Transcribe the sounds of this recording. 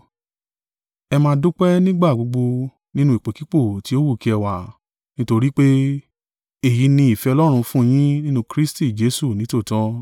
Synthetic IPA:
ɛ˧mãː˧˦du˦k͡pɛ˦nĩ˦ɡ͡ba˦˨ɡ͡bo˧ɡ͡bo˧ | nĩ˦nũ˦i˨k͡pe˨ki˦k͡po˦˨ti˨˦o˦wu˦˨ki˧˦ɛ˧wa˨ | nĩ˦to˧ɾi˦k͡pe˦ | e˦˨ji˨˦nĩ˧i˨fɛ˧ɔ˧lɔ˦ɾ̃ũ˧fũ˦˧j̃ĩ˦nĩ˦nũ˧kɾi˦sti˦˨d͡ʒe˨˦su˦˨nĩ˨˦to˦˨tɔ̃˦

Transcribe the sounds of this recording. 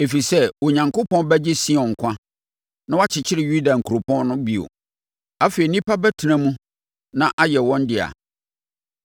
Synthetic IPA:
e˨fi˨sɛ˦wɔ˨ɲã˨ŋkʊ˦pɔ̃˦nbɛ˦d͡ʑɪ˦si˦ɔ̃˨ŋ̩˨kʷʰã˦ | nã˦wa˦t͡ɕʰɪ˨t͡ɕʰɪ˦ɾɪ˨ju˦da˨ŋ̩˨kʰu˨ɾo˨pʰɔ̃˦n˦nʊ̃˦bi˨o̰˨ | a˦fe˨i˨nĩ˦pʰa˦bɛ˦tʰi˨nã˦mũ˦ | nã˦ʔa˦jɛ˨wɔ̃˦n˦dɪ˨a̰˨

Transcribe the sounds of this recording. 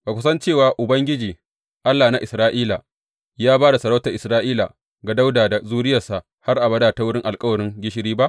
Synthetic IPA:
b̥aː˨kʷʊ˦sɐ˦nt͡ʃeː˦˨waː˨ʔʊ˨bɐ˦ŋɡʲɪ˦d͡ʒiː˨ | ʔa˦lːaː˨na˦ʔɪ˨sɾaː˦ʔiː˦la˨ | jaː˦baː˦da˨sɐ˨ɾa˦ta˨ʔɪ˨sɾaː˦ʔiː˦la̰˨ | ɡa˨da˦wdaː˨da˨zuː˦ɽɪ˦jɐ˨rsa˨ʔ | ha˦rʔa˨bɐ˦daː˨ta˨wʊ˦ɽɪ˦ŋʔa˨lkʼɐ˦wɐ˨ɾɪ˦ŋɡʲɪ˦ʃ̬ɪ˦ɾiː˦ba˦ʔ

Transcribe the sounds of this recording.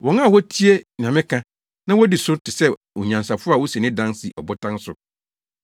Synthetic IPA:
wɔ̃˨ŋã˦˨wɔ˦tʰi˦e˦nɪ̃˨ã˨mɪ̃˦kʰã˦ | nã˦wɔ˦di˨sʊ˦tʰɪ˨sɛ˦ | ɔ˨ɲã˨nsa˨fʊ˦a˦˨wɔ˦sɛ˨nɪ̃˦dã˦nsi˨ʔɔ̰˨bʊ˦tʰã˦n˦sʊ˨

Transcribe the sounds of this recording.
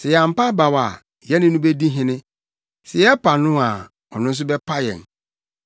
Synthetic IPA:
sɛ˨ja˨m̩˨pa˦ba˨wa˨ | jɛ˦nɪ̃˦nʊ̃˦be˦di˦ɦɪ̃˦nɪ̃˦ | sɛ˨jɛ˦pʰa˨nʊ̃˦a˨ | ɔ˨nʊ̃˦n̩˦s̬ʊ˦bɛ˦pʰa˦jɛ̰̃˨n

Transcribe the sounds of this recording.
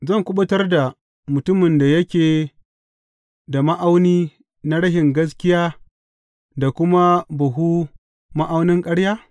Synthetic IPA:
zɐ˦˨ŋkʷʊ˦ɓɐ˦tɐ˦rda˨ | mʊ˨tʊ˦mɪ˨nda˨jɐ˦kʲeː˨ | da˨ma˦ʔa˦wniː˦ | na˦ɽɐ˦ɦɪ˨ŋɡɐ˦s̬kʲɪ˦jaː˦ | da˨kʷʊ˦ma˦bɐ˨ɦu˦ | mɐ˦ʔa˦wnɪ˦ŋkʼɐ˦ɽjaː˦

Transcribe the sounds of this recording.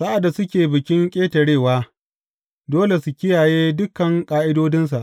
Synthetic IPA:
sa˦ʔa˨dːa˨sʊ˦kʲeː˨bɪ˨kʲɪ˦ŋkʲʼeː˦tɐ˨ɽeː˦˨waː˦ | doː˦le˨su˨kʲɪ˦jaː˨jeː˦dʊ˦kːɐ˨ŋkʼaː˦ʔɪ˦doː˦dɪ˦ns̬a˨ʔ

